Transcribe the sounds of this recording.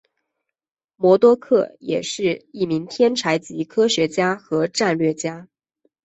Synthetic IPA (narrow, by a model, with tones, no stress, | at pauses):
mwɔ˧˥t̪wɔ˥kʰɤ˥˩jɛ̰˨˩ʂɻ̩˥˧i˥˩mi˧˥ŋt̪ʰjɛ˥nʈ͡ʂʰa˧˥ɪt͡ɕi˧˥kʰɤ˥ɕɥɛ˧˥t͡ɕja˥xɤ˧˥ʈ͡ʂa˥˧nlɥɛ˥˩t͡ɕja˥